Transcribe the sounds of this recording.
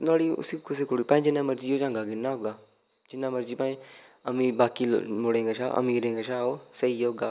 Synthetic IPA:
noːɽiːʊ̰sikʰʊseːkoːɽiːpãːĩd͡ʒɪnãːməɾd͡ʒiːoːd͡ʒãːŋɡaːɡɪnãːɦoɡaː | d͡ʒɪnːaːməɾd͡ʒiːpaːĩəmĩːbaːkḭːmoɽẽːŋɡaːʃa̰ːʔə̰mĩːɾẽːŋɡaʃaːoːsəiːjoːɡaː

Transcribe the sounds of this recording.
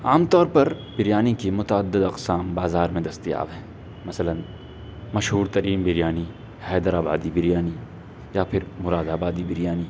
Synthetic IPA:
aːmt̪ɔːɾpɐɾb̥ɪɾjaːnikimʊt̪aəd̪ːɪd̪ɐqsaːmbaːzaːɾmẽd̪ɐst̪ija̰ːbɦɛ̃ː | mɐsələn | mɐʃɦuːɾt̪ɐɾiːmbɪɾjaːni | hɛːd̪əɾaːba̰ːd̪ibɪɾjaːni | japʰɪɾmʊɾaːd̪aːbaːd̪ibɪɾjaːni

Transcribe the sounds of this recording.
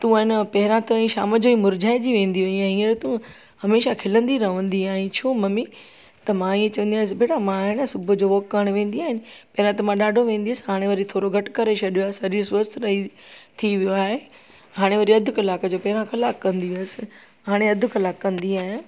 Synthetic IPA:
t̪ũaːɦɪnpɐɦɪɾãt̪ɐɛ̃ʃa̰ːməd͡ʑoːimʊɾd͡ʑʱaːɪ̃d͡ʑiʋẽːn̆d̪iʋɐiaːɦiə̃ɾet̪ũ | hɐmeːʃakʰɪlə̃nd̪iɾɐʋə̃nd̪iaːɦɪ̃t͡ɕʰoːmɐmi | t̪ɐmãiːẽt͡ɕɐʋə̃nd̪ijaːɪsɪbeːʈamãɦɪnsʊbʱʊd͡ʑoːʋoːkːəɽ̃ʋẽːnd̪iaːɦɪnɪ̆pɐɦɪɾãt̪ɐmãɗaːɖʱoʋẽːn̆d̪iəsɪɦaːɽ̃eʋɐɾit̪ʰoːɾoɡʱɐʈkɐɾet͡ʃʰɐɗijoaːɦsɐɾiʊsʋəst̪ʰɾɐɦit̪ʰiʋijoaːɦe | ɦaːɽ̃eʋɐɾiɐd̪ʱʊkɪlaːkəd͡ʑoːpɐɦɪɾãkɐlaːkːɐ̃nd̪iʋisɪ̥ | ɦaːɽ̃eɐd̪ʱʊ̆kɐlaːkːɐ̃nd̪iaːɦɪn

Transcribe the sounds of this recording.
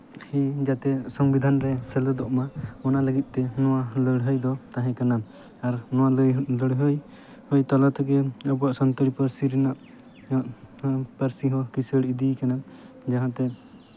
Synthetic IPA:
hid͡ʒat̪ɛsɔmbid̪ʱanɾɛsɛlɛd̪ɔʔmaɔnaləɡit̪̚ˀt̪ɛnɔwaləɽɦəjd̪ɔt̪aɦɛ̃kanam | aɾnɔwaləɽɦəj | hɔjt̪ɔlat̪akɛɔbɔaʔsɔnt̪əɽipəɾsiɾɛnaʔ | ʔpəɾsiɦɔ̃kisəɽid̪ikanam | d͡ʒaɦãt̪ɛ

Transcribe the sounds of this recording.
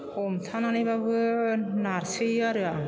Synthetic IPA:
omt̪ʰananɯbabɯnaɾsɯaɾɯa

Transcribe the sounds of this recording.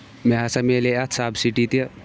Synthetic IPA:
meɦɐsɐmeleɐt̪saːbsiʈit̪iɐ

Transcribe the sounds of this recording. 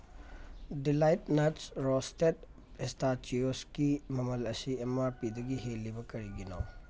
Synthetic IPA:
dilajtnɐtsɾɔstet̚ | estat͡ʃioskimɐmɐlɐsiemaɾpid̪ɐɡiɦelːibɐkɐɾiɡino̰w

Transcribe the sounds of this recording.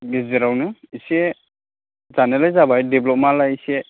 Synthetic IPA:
ɡeziɾawnɯise | zanɯlajzabajdeblɔp̚malajise

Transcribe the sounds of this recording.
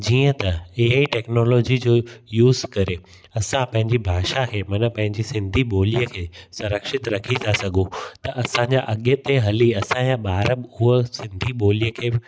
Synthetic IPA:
d͡ʑiːə̃t̪ɐeɦaiʈeːknɔːlɔːd͡ʑid͡ʑoːjuːzkɐɾe | ɐsãpɐ̃ɦɪ̃ɲd͡ʑibʱaːʃakeːmɐnəpɐ̃ɦɪ̃ɲd͡ʑisɪ̃nd̪ʱiɓoːlijəkʰeːsɐ̃ɾəkʃɪt̪ɾɐkʰit̪ʰasɐɠʱõt̪ɐʔɐsãɲd͡ʑaʔɐɠjət̪eɦɐliɐsãjãɓaːɾəbɪʊɦəsɪ̃nd̪ʱiɓoːlijəkʰeː

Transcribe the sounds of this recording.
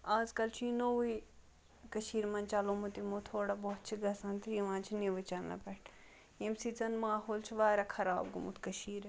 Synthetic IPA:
aːzkɐlt͡ʃʰinoi | kɐʃiːɾmɐnt͡ʃalomut̪imut̪ʰoːɽabɔːt̪t͡ʃʰiɡɐsɐ̃nt̪ɾiːʋãːnt͡ʃʰiniʋɨt͡ʃɐnɐ̰pɐʈʰ | jemsit͡sɐnmaːɦoːlt͡ʃʰiʋaːɾʲakʰɐɾa̰ːbɡṵmṵt̪ʰkɐʃiːɾ

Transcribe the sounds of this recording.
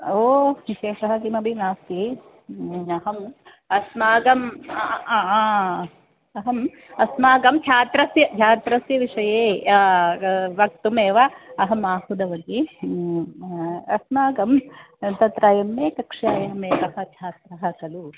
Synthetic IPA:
oːʋiʃeːʂɐɦɐkimɐbʱinaːst̪i | ɐɦɐm | ɐsmaːɡɐm | ɐɦɐm | ɐsmaːɡɐmt͡ʃʰaːt̪ɾɐsjɐt͡ʃʰaːt̪ɾɐsjɐʋiʂɐjeː | ʋɐk̚t̪umeːʋɐɐɦɐmaːhud̪ɐʋɐɡ̪i | ɐsmaːɡɐm | t̪ɐt̪ɾaːjɐmːeːkɐkʂjaːjɐɦɐmeːkɐɦɐ̆t͡ʃʰaːt̪ɾɐɦɐkɐlu

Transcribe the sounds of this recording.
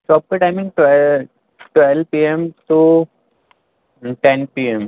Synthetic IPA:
t͡ʃɔːp̚keʈaɪmĩŋɡ̚ʈɛ | ʈwɛlpiemʈu | ʈẽnpiem

